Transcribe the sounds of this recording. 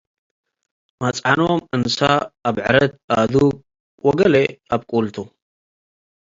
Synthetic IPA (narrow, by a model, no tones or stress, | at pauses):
mat͡sʼʕanomʔɨnsaːβʕɨɾɐt̪̚ʔad̪uɡ̚ | wɔɡɐleaβkʼult̪ʰu